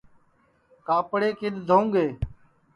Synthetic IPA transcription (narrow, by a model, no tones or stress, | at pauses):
kaːpɽeːkɪɗ̪d̪ʱoːŋɡeː